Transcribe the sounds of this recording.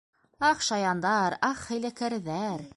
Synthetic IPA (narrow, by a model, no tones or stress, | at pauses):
ɑχʃɑjɑnd̪ɑɾɑχhæ̆jlækæɾðæɾ